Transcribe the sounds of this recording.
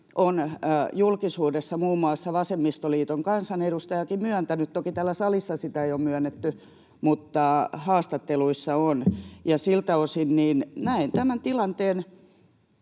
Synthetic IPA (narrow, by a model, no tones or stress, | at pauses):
ʔonjulkisuːdesːɑmuːmːuɑsːɑʋɑsemːist̪oliːt̪oŋkɑnsɑneɾust̪ɑjɑkimmyønt̪ænyt̪t̪okit̪æːlːæsɑlisːɑsit̪æeijomyænːet̪ːy | mut̪ːɑhɑːst̪ɑt̪ːeluisːɑonjɑsilt̪æosinniːnnæint̪æmænt̪ilɑnt̪eːn